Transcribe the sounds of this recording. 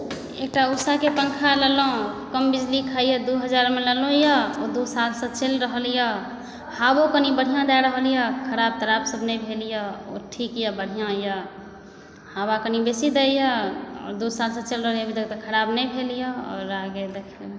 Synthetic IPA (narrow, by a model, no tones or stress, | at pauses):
ek̚ʈausakepəŋkʰaləlõkəmbid͡ʒlikʰəijəd̪uɦəd͡ʒaɾmeləlõjəod̪usalsə̃t͡ʃelɾəɦəlijə | habokənibəɽ̤ijãd̪aɾəɦəljəkʰəɾab̚t̪əɾabsəbnəbʱelijəo̰ʈʰikjəbəɽ̤ijãjə | habakənibesid̪ejəɔ̰ːɾd̪usalsə̃t͡ʃelɾəɦəljəbʱit̪əkt̪əkʰəɾabnəbʱelijəɔ̰ːɾaɡed̪ekʰ